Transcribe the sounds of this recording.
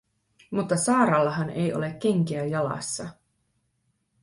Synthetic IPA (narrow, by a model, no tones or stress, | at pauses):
mut̪ːɑsɑːɾɑlːɑɦɑne̞̰jo̞le̞kːe̞ŋkeæjɑlɑ̰sːɑ